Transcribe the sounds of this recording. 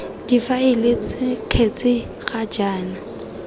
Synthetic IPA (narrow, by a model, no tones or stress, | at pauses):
d̥ifaɪlɪt͡sɪkʰet͡sʼɪ | χad͡ʒaːna